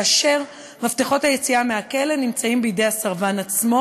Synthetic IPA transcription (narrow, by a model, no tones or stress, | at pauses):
aʃe̞ʁ | maftiχo̞thajet͡siameakelenimt͡saimbejidejasaʁvanat͡smo̞